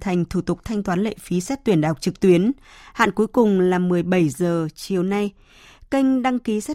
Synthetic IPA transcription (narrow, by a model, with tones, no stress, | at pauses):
t̪ʰa˨˩jŋ̟t̪ʰu˧˩t̪ʊ˨˩k͡p̚t̪ʰa˧jŋ̟t̪waː˨˦nlḛ˧˨fi˨˦sɛ˦˥t̚t̪wi˧˩ənɗa̰ː˨˩wk͡p̚t͡ɕɨ˨˩k̚t̪wi˨˦ənha̰ː˧˨nku˨˦jkʊ˨˩ŋ͡mlaː˨˩mɨ˨˩əjɓə˧˩jzəː˨˩t͡ɕi˨˩əwna˧j | kə˧ŋ̟ɗa˧ŋki˨˦sɛ˦˥